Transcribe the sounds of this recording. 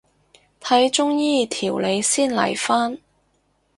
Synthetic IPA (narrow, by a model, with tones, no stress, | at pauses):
t̪ʰɐ˨˥jt͡ʃʊ˥ŋjiː˥t̪ʰiː˨˩wle˨˧jsiː˥˩nlɐ̰˨˩jfaː˥n